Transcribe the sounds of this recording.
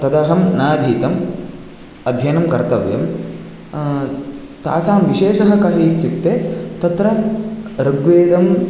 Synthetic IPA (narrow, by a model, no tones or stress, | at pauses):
t̪ɐd̪ɐɦɐmnaːd̪ʱiːt̪ɐm | ɐd̪ʱjɐnɐmkɐɾt̪ɐʋjɐm | t̪a̰ːsaːmʋiʃeːʃɐɦɐ̆kɐɦiːt̪jupt̪ːeːt̪ɐt̪ɾɐɾɐɡʋeːd̪ɐm